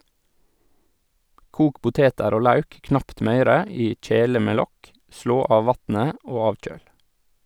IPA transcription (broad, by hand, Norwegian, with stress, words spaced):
ˈkuːk ˈpʊteːtəɾ ˈoː ˈlɑʉk ˈknɑpt ˈmœʏɾə ˈiː ˈc͡çeːlə ˈmeː ˈlɔk ˈʃɭoː ˈɑːʋ ˈʋɑtn̩ə ˈoː ˈɑːc͡çøːl